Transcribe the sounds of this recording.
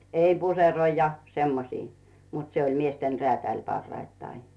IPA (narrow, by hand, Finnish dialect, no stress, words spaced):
ei puseroi jɑ semːosiː mut se olʲ miesten reæˑtælʲ pɑrːɑitːɑi